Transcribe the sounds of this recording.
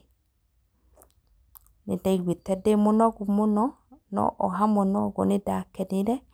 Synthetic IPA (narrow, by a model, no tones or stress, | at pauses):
nedaiɾwetɛdemonɔɣumonɔ | nɔ̰ʔɔɦamɔnɔɣɔ̰nedakɛneɾɛ